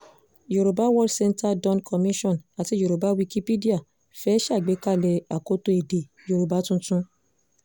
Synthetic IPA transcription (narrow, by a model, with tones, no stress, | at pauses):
ju˨ɾo˨ba˨˦wɔ˦dsɛ˧nta˦dɔ̃˧nkʰɔ˧mĩ˦ʃɔ̃˦˨na˨ti˨˧˦ju˨ɾo˨ba˨˦wi˧ki˧˦pi˦di˦a˦˨ | fɛ˦ʃa˦˨ɡ͡be˨˦ka˦˨lɛ˧a˨ko˦to˧e˨de˨ | ju˨ɾo˨ba˨˦tũ˦tũ˦